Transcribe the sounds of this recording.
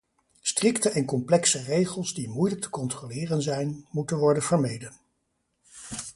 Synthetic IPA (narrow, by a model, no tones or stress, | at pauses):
strɪktəʔɛnkɔmplɛksərejχəlˠsdimujlək̚tʰə̥kɔntrolɪːrənzɛjnmutənʋɔɹdənvəɹmejdən